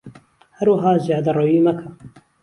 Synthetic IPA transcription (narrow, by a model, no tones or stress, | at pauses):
hɐɾwɐɦɑːzjɑːd̪ɐrojiːmɐkʰɐ